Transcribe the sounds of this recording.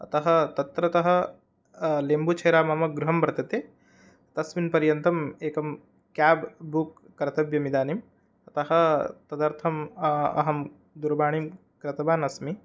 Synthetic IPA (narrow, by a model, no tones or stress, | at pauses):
ɐ̰t̪ɐɦɐ̆t̪ɐt̪ɾɐt̪ɐɦɐ̆ | leːmbut͡ʃʰɐjɾaːmɐmɐɡɾuɦɐmbɐɾɐt̪ɐt̪eː | t̪ɐsminpɐɾjɐnt̪ɐmeːkɐm | kaːbbukːɐɾɐt̪ɐbjɐmid̪aːnim | ɐt̪ɐɦɐ̆t̪ɐd̪ɐɾt̪ʰɐmɐ̰ɦɐm | d̪uɾbaːɳ̃im | kɾɐt̪ɐbaːnɐsmi